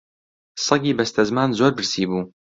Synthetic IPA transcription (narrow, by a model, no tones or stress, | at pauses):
sˤɑɡiːbɐst̪ʰɐzmaːnzoːɾbɨɾsiːbuː